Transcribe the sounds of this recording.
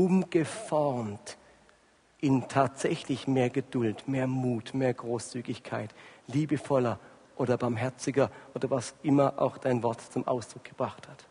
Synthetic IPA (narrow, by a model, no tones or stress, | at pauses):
ʔʊmɡ̥əfɔʁmt | ʔɪntʰaːtz̥ɛçlɪçmeːɐɡədʊltmeːɐmuːtmeːɐɡʁoːst͡syːɡɪçkʰaɪtliːbəfɔlɐ | ʔoːɾɐbaɐmɦɛɐt͡sɪɡɐʔoːdɐvasʔɪmɐʔa̰ʊxd̥aɪnvɔɐtt͡sʊmʔa̰ʊsd̥ʁ̥ʊk̚ɡ̥əb̥ʁaχthat